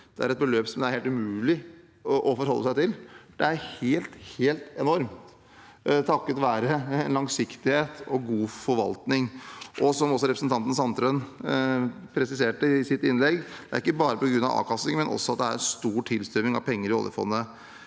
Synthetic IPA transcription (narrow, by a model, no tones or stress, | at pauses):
d̪̥ɛæɾɛt̪̚bəløːpsɔmd̪æɾheːlt̪ʉmʉːlɪ | ʔɔfɔɾɦɔlːəsæɪt̪ɪlɖ̥̪ɛæɾheːlt̪heːlt̪ɛnɔɾmt̪ | t̪ʰɑkːət̪ʋæːɾənlɑŋsɪkt̪ɪheːt̪ɔɡuːfɔɾʋɑ̰lt̪nɪŋʔɔsɔmɔs̬ɔɾɛpɾsn̩t̪ɑnt̪ən̩sɑnt̪ʰɾøn | pʰɾɛsɪseːʈəɪsɪt̪ɪnlɛɡd̪̥ɛæɾɪkːəbɑːɾəpɔɡɾʉnːɑ̰ʋɑ̰ːʋkʰɑst̪ɪŋmɛnʔɔ̰sːɔɑt̪̚d̪ɛæ̰ɾɛnst̪uːʈʰɪlst̪œɾmɪŋɑ̰ʋpʰɛŋːəɾɪɔ̰ljə̰fɔ̰nːə